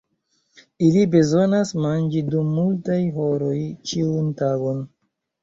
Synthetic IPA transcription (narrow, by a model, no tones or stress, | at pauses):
ilibe̞zo̞nasmand͡ʒidumːultajɦo̞ɾo̞jt͡ʃiuntaɡo̞n